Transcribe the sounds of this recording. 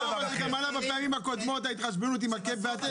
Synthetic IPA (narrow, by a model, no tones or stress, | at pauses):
avazeɡamalabapeamimako̞d̪mo̞t̪̬ajit̪χaʃ̬benut̪̬imakebveat̪e